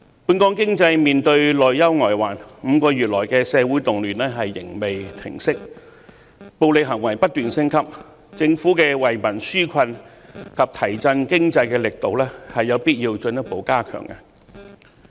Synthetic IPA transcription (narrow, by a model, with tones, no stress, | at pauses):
puː˧nkɔː˥ŋkɪ˥ŋt͡sɐ˧jmiː˨nt̪ɵ˧ɥlɔː˨jjɐ˥wŋɔː˨˩jwaː˨˩nm̩ː˨˧kɔː˧jyː˨t̚lɔː˨˩jkɛː˧sɛː˧wuː˨˥jt̪ʊ˨ŋlyː˨˩nlɛː˥ɦɐ˨jːɪ̰˨˩ŋme˨jt̪ʰɪ̰˨˩ŋsɪ˥k̚ | po˨wlɪ˨k̚ɦɐ˨˩ŋwɐ˨˩jpɐ˥t̚t̪yː˨nsɪ˥ŋkʰɐ˥p̚ | t͡sɪ˧ŋfuː˨˥kɛː˧wɐ˨jmɐ˨˩nsyː˥kʷʰɐ˧nkʰɐ˨p̚t̪ʰɐ˨˩jt͡sɐ˧nkɪ˥ŋt͡sɐ˧jkɛː˧lɪ˨k̚t̪o˨wlɛː˥hɐ˨jːɐ˨˧wpiː˥t̚jiː˧wt͡ʃɵ˧njɐ˥t̚po˨˥wkaː˥kʰœ̰ː˨˩ŋkɐ˧